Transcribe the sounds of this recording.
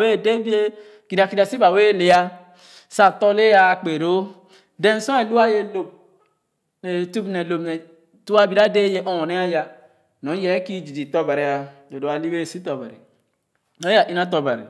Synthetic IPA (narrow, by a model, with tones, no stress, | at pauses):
we˦˨de˦bi˦e˦ | ki˨da˨ki˨da˨si˦ba˨we˦˨le˨˦a˦ | sa˨tɔ˦le˦a˦˨k͡pe˨ɾo˦ | de˦n˨sɔ̃˦e˨lu˦a˦je˦lo˨b̚ | ne˨tu˦bne˨lo˨mnɛ˨ | tu˦a˦bi˨ɾa˦de˦je˦ʔɔ˦ɔ˨ne˦a˦ja˨ | nɔ˨˦jɛ˨˦ki˦d͡ʒi˨di˨tɔ˦ba˨ɾe˨a˨do˨do˨a˨li˦e˦˨si˦tɔ˨ba̰˨ɾḭ˨ | o˦a˨ʔi˦na˦t̬ɔ˨ba˨ɾḭ˨